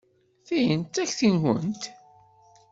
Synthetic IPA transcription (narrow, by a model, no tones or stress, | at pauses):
θijənt̪æçθinwə̰nt̪